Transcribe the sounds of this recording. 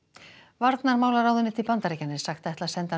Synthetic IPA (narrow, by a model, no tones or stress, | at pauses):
vaɾt̪naɾmaːwlaɾaːwðʏnːɪt̪ʰɪlpant̪aɾicanːɪ̥saxt̪ajht̪lasɛnt̪a